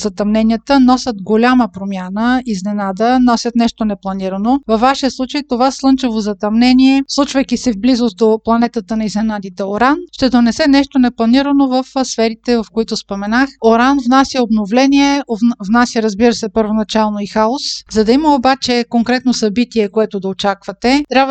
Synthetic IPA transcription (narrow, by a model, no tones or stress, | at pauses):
zɐt̪ɐmnɛnijət̪ənɔsʲət̪ɡolʲaməpɾomʲjanəiznɛnad̪ənɔsʲət̪nɛʃt̪onɛplˠɐniɾənovɐfvːaʃijəslˠut͡ʃəjt̪ovaslˠɤnt͡ʃɛvozɐt̪ɐmnɛniɛslˠut͡ʃvəjkisɛvblizos̚d̪oplˠɐnɛt̪ət̪ənɐiznɛnad̪it̪ɛoɾanʃt̪ɛd̪onɛsɛnɛʃt̪onɛplˠɐniɾənovəfsfɛɾit̪ɛvɐfkoit̪ʊspomɛnaxoɾanvnasʲjəobnovlɛniɛovnasjəɾɐzbiɾəsɛpəɾvonɐt͡ʃalˠnoixaoszɐd̪ɐiməobat͡ʃɛkoŋkɾɛt̪nosɐbit̪iɛkoɛt̪od̪ɐot͡ʃakvɐt̪ɛt̪ɾʲabv